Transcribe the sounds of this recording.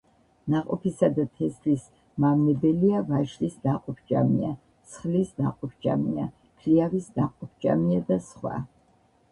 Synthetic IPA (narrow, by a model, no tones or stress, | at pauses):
naqʼɔpʰisad̪at̪ʰɛslis | mamnɛbɛliavaʃlisnaqʼɔpʰd͡ʒʼa̰mia | sχlisnaqʼɔpʰd͡ʒʼa̰mia | kʰliavisnaqʼɔp̚ʰd͡ʒʼa̰miad̪asχwa̰